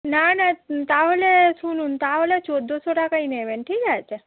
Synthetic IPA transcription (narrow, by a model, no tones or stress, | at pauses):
nanat̪aolesunũnt̪aɦolet͡ʃod̪ʱosoʈakəineʋenʈʰid͡ʒajt͡ʃʰe